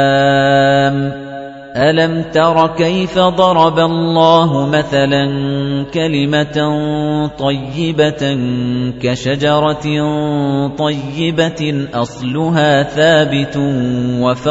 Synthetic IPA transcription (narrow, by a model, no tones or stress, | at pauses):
m | ʔalamt̪ɑɾˤɑkajfad̪ˤɑɾˤɑbalˤːɑːɦʊmaθalankalɪma | t̪ˤɑjːɪba | kaʃad͡ʒɑɾˤɑ | t̪ˤɑjːɪbaʔɑsˤlʊɦaːθaːbɪt̪waf